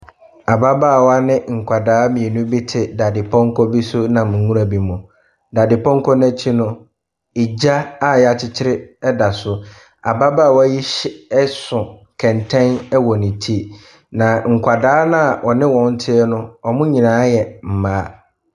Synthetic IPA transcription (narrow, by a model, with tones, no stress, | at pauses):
a˨ba˦ba˦˨wɔ˦a˦nɪ̃˦ŋ̩˨kʷʰa˨daː˦mĩ˨ɛ˨nʊ̃˦bi˦tʰɪ˨da˨dɪ˨pʰɔ̃˦ŋ˦kʰɔ˦bi˦sʊ˦nã˨mʊ̃˨˦ŋũ˦ɾa˨bi˨mʊ̃˨ | da˨dɪ˨pʰɔ̃˦ŋ̩˦kʰɔ˦nɛ̃˦t͡ɕʰi˦nʊ̃˦ | i˨d͡ʑa˦a˦˨jɛ˨a˨t͡ɕʰɪ˦t͡ɕʰɪ˦ɾɪ˦ɛ˦da˨sʊ˨ | a˨ba˦baː˦˨wɔ˦ji˦ɕɛ˦sʊ̃˨kʰɛ̃˨ntʰɛ̃˦nɛ˦wɔ˨nɪ̃˨tʰi˦ | nã˨ŋ̩˨kʷʰa˨daː˦nã˦˨ʔɔ˨nɪ̃˦wɔ̃˨n̩˦tʰɪ˦ɛ˦nʊ̃˦ɔ˨mʊ̃˦ɲĩ˨nãː˨˦jɛ˨m̩˨mãː˨˦